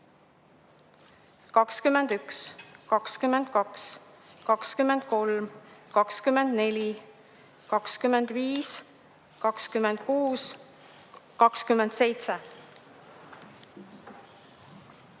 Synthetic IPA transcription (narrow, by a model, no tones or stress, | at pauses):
kɑkskymːend̪̥ykskɑkskymːend̪̥kɑkskɑkskymːend̪̥̚ko̞lmkɑkskymend̪̥ne̞lʲi | kɑkskymːend̪̥viːs | kɑkskymend̪̥̚kuːs | kɑkskymːend̪̥se̞jt̪se